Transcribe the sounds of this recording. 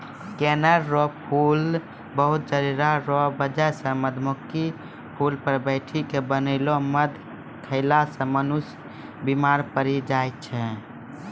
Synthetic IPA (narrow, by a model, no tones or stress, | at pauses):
kɛnəɾːɔpʰul | bəɦut̪̚d͡ʒəɾiɾaɾɔbəd͡ʒɛsə̃məd̪ʱmuki | pʰulpəɾbəɪʈʰikebənəɪloməd̪ʱ | kʰəɪlasə̃mənus | bimaɾpəɾid͡ʒajt̪̚t͡ʃʰɛ